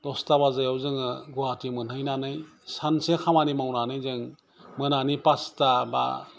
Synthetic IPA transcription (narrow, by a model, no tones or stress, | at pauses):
d̥ɔstabazajawzɯŋɯɡuatimɯnhɯjnanɯj | sansekʰamanimawnanɯjzɯŋ | mɯnanipastaba̰